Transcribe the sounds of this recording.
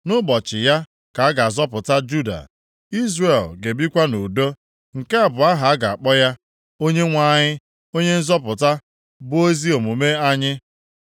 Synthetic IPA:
nʊ˦bɔ˨t͡ʃɪ˨ja˦ | ka˨a˦ɡa˨zɔ˦pʊ˨ta˦d͡ʒu˦da̰˨ | i˦zre˨lɡe˨bi˦kʷa˦no˨do˦ | ŋ̩˨ke˦a˨bʊ˨a˦ɦa˨a˦ɡa˨a˨k͡pɔ˦ja˦ | o˦ɲe˦ŋʷa˦˨ɲɪ˦ | o˦ɲe˦n̩˦zɔ˦pʊ˨ta˦ | bʊ˦o˦zi˦o˨mu˨me˦a˦ɲɪ˦

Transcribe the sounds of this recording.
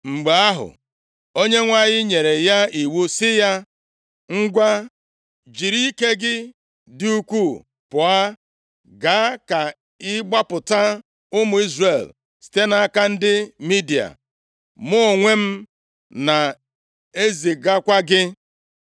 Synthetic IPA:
ŋ͡m̩˨ɡ͡ba˨a˦ɦʊ̰˨ | o˦ɲe˦ŋʷa˦˨ɲɪ˦ɲe˨ɾe˨ja˦i˨wu˦sɪ˦ja˦ | ŋ̩˦ɡʷa˦ | d͡ʒi˨ɾi˦ke˦ɡɪ˦ | dɪ˦u˦kʷu˦˨ | pʊ˨a˦ | ɡa˨a˦ka˨ | ɪ˦ɡ͡ba˦pʊ˨ta˦ | ʊ˦mʊ˨i˦zre˨l | si̥˨te˦na˨a˦ka˦n̩˦dɪ˦mi˦di˨a̰˨ | mʊ˦˨ŋʷe˦m̩˦ | na˨ | e˦zi˨ɡa˦kʷa˦ɡɪ˦

